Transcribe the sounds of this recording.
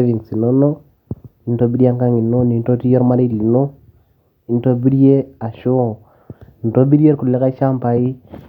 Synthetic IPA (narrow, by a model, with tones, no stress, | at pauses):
vi˨ŋsi˨no˦no˦ | i˨n˦to˦bi˦ɾi˦a˦ŋka˦ŋi˨no˦ni˨nto˦ti˦jɛ˦ɾma˦ɾe˦li˨no˦ | i˦n˦to˦bi˦ɾi˦e˦a˨ʃo˦˨ | i˨n˨to˦bi˦ɾje˦ɾku˨lɛ˦ka˦ʃa˦mpa˨i˦